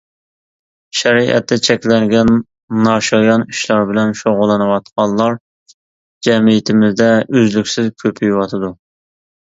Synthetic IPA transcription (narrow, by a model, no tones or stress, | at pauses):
ʃɛɾiʔɛ̰t̪ʰːɛt͡ʃʰɛkʲlɛŋɡʲɛnː | ɑʃɑjɑniʃlˠɑɾbɪlɛnʃoʁʊlˠːɨnɨwɑt̪̚qʰɑnlˠlːˠɑɾ | d͡ʒɛmijit̪ʰɪmɪzd̪ɛʔøzlykʲsɪzkʲʰøpʰyjwɑt̪ʰɨd̪u